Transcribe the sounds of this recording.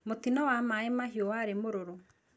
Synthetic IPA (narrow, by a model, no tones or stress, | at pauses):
mot̪inɔwamaemaɦiɔwaɾemoɾoɾo